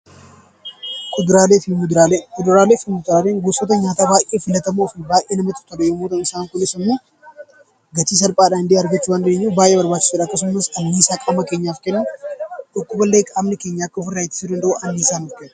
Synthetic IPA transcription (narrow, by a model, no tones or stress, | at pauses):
kʼʊd̪ɾaːleːfɪmʊd̪ɾaːlekʼʊd̪ʊɾaːleːfɪmʊd̪ɪɾaːleːŋɡʊsʼot̪̬ɐɲaːt̪aːbaːjʔeːfɪlɐt̪ɐmoːfɪbaːjʔeːnɐmɐt̪ɪ̥t̪ɔɗɛjomoːt̪ɐnɪsaːŋkʊnɪsɐmːoː | ɡɐt͡ʃ̪iːs̬ɐlpʼaːᶑaːhɪnd̪iɐɾɡɐt͡ʃːuːwaːnd̪ɪeːɲːuːbaːjʔɛːbɐɾbaːt͡ʃːɪ̥suᶑaːɐkːɐs̬ʊmːɐsɐnːiːsaːkʼaːmɐkeːɲːaːfkɛnːʊᶑʊkːʊbɐlːeːkʼaːmnɪke̞ːɲːaːɐkːɐɔfɪraːɪt̪ːɪ̥sud̪ɐnd̪ɐʔuʔɐnːiːsaːnʊfkɛnːʊ̥